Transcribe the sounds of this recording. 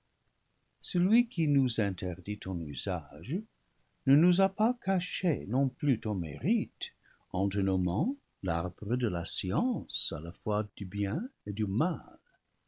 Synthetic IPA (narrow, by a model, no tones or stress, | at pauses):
səlɥikʰinuzɛ̃nt̪ʰɛʁd̪it̪ɔ̃nyzaʒ | nənuzapakʰaʃenɔ̃plyt̪ɔ̃mḛʁit̪ | ɑ̃d̪ənomɑ̃ | laʁbʁəd̪əlasiɑ̃sa̰lafwad̪̥ybjɛ̃ed̪ymal